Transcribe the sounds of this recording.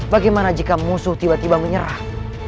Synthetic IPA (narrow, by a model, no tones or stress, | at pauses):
baɡajmanad͡ʒikamusʊht̪ibat̪ibaməɲəɾah